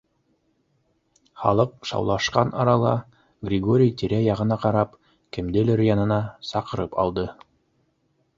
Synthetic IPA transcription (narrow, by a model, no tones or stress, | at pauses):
χɑ̰lˠɤq̚ʃɑ̰wlˠɑʃqɑnʔɑɾɑlˠɑ | ɡrʲɪɡo̞ɾʲɪjt̪iɾæjɑʁɤ̆nɑqɑɾɑp | kɘ̆md̪ɘlɘɾjɑnɤ̆nɑsɑqɤ̆ɾɤpɑ̰lˠd̪ɤ